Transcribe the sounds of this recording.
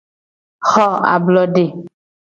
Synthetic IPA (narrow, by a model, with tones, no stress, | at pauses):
xɔ˦˨a̰˨blɔ˨ɖe˨